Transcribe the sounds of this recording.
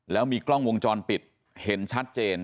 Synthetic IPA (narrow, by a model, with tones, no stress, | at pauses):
lɛː˦˥wmiː˧klɔ˥˩ŋwo˧ŋt͡ɕɔː˧npi˨˩t̪̚ | he˩˦nt͡ɕʰa˦˥t̪̚t͡ɕeː˧n